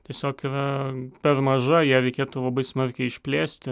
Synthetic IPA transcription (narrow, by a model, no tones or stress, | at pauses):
t̪ʲiɛsʲoːkiɾɐpʲɛrmɐʒɐjiːɾʲɛɪkʲeːt̪uːlˠɐbɐɪsmɐrʲkʲɛɪɪʃʲpʲlʲeːsʲt̪ʲɪ